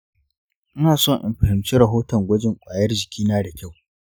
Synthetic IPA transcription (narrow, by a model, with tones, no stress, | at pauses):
ʔɪ˦naː˨sɔ˦˨ɲʔɪ̰˨mɸɐ˨hɪ˨mt͡ʃiː˦ɾɐ˨ɦoː˦tɔ˨ŋɡʷɐ˦d͡ʒɪ˨ŋkʷʼaː˨jɐ˦rd͡ʒɪ˨kʲiː˦naː˦da˨kʲa˦˨w